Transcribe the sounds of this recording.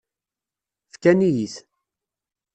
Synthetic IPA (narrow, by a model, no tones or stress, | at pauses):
fkænijiθ